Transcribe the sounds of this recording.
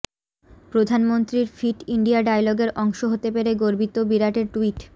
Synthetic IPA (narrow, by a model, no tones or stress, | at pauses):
pɾod̪ʱanmont̪ɾiɾfiʈiɳɖiaɖajlɔɡeɾʔɔŋʃoɦot̪epeɾeɡoɾbit̪obiɾaʈeɾʈuiʈ